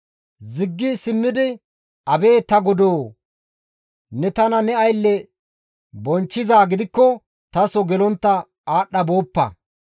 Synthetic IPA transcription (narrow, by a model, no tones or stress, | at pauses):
zɪɡːɪsɪmːɪd̪ɪ | ʔɐbe̞ːt̪ɐɡʊd̪oː | nɛt̪ɐnɐnɛɐjlːɛ | bɔnt͡ʃːɪzaːɡɪd̪ɪkːɔ | t̪ɐsɔɡɛlɔnt̪ːɐ | aːɗːɐbo̞ːpːɐ̰